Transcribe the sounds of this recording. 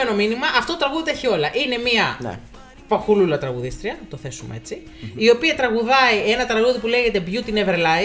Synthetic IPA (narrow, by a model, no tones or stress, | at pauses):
eno̞minimɐʔɐft̪ot̪ɾɐɣuðet̪eçio̞lɐʔine̞miɐ̰ | pɐxululɐt̪ɾɐɣuðist̪ɾiɐnɐt̪o̞θe̞sumḛe̞̰t͡si | io̞piɐt̪ɾɐɣuðɐie̞nɐt̪ɾɐɣuðipule̞ʝe̞t̪e̞bʝut̪ineveɾlɐj